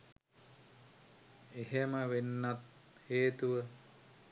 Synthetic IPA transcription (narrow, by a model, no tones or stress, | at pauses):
eɦeməʋenːat̪heːt̪uʋə